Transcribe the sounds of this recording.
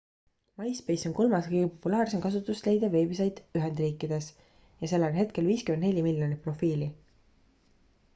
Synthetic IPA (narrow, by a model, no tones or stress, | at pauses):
mɑjspe̞jso̞nko̞lmɑskɯjɡ̥epo̞pːulɑːrse̞mkɑsut̪ːˑust̪le̞jd̪̥ɑve̞ːbis̬ejd̪̥yɦend̪riːkːˑid̪̥e̞s | jɑse̞lːeonɦe̞t̪̚ke̞lviːskymend̪ne̞lʲimiljo̞nipro̞fiːli